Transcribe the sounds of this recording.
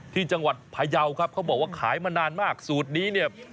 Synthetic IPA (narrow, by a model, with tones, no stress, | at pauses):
t̪ʰiː˥˩t͡ɕa˧ŋwa˨˩t̪̚pʰaː˧ja˧wkʰa˦˥p̚kʰa˦˥wbɔː˨˩k̚waː˥˩kʰaː˩˦jmaː˧naː˧nmaː˥˩k̚suː˨˩t̪̚niː˦˥ni˥˩ə